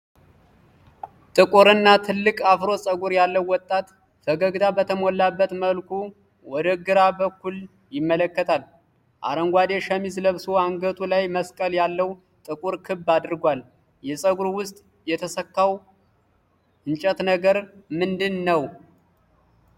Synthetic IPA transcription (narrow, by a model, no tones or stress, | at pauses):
t̪ʼɨkʼuɾɨnːat̪ʰɨlːɨkʼafɾo̞sʼəɡuɾjalːəwːɔt̪ʼːat̪ | fəɡəɡd̪abət̪ʰəmolːabːət̪məlkʰu | wɔd̪əɡɨɾabəkːul | jɪmːələkːət̪ʰal | ʔa̰ɾəŋɡʷad̪eʃəmizləβsoaŋɡət̪ʼulajməskʼəljalːəw | t̪ʼɨkʼuɾkʰɨbad̪ɾɡʷal | jɛsʼəɡuɾwʊst̪ʼ | jɛt̪ʰəsəkːaw | ʔɨnt͡ʃʼət̪nəɡəɾmɨnd̪ɨnːəw